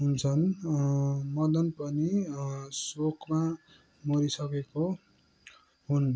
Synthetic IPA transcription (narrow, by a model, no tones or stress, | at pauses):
ɦunt͡sʰʌn | mʌd̪ʌnpʌnisokma | mʌɾisʌkeko | ɦun